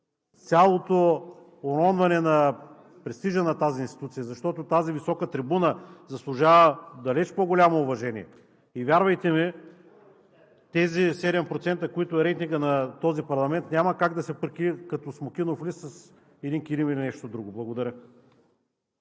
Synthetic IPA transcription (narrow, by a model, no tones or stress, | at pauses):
t̪sʲalˠot̪o | oɾɔnvɐnɛnɐ | pɾɛst̪iʒɐnɐt̪aziːnst̪i̥t̪ut̪sijəzɐʃt̪ɔt̪ot̪azivisɔkət̪ɾibunəzɐslˠʊʒavəd̪ɐlɛt͡ʃpoɡolʲamoːvɐʒɛniɛ | ivʲjaɾvɐjt̪ɛmi | t̪ɛzisɛd̪ɛmpɾot̪sɛnt̪ɐkoit̪ʊɛɾɛt̪iŋɡənɐt̪ɔzipɐɾlˠɐmɛnt̪nʲamɐkaɡd̪ɐsɛpəɾkikɐt̪ɔsmok̟ʲinoflisɐs | ɛd̪inkiɾimilinɛʃt̪od̪ɾuɡoblˠɐɡod̪ɐɾʲə